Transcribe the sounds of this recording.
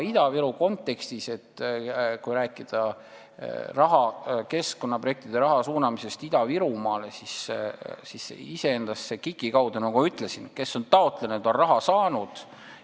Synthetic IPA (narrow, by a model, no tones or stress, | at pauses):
id̪̥ɑviɾuko̞nt̪ːˑe̞kst̪ise̞t̪ːkujɾæːkːˑid̪̥ɑ | rɑɦɑke̞sko̞nːɑprojek̚t̪id̪̥e̞ɾɑɦɑsuːnɑmise̞st̪id̪̥ɑviɾumɑːle̞sissisːḛise̞end̪̥ɑsːe̞kikːˑikɑwd̪̥unɑɡumyt̪ˑle̞sinke̞sːo̞nt̪ɑo̞t̪ˑlenud̪̥o̞nrɑɦɑsɑːnud̪̥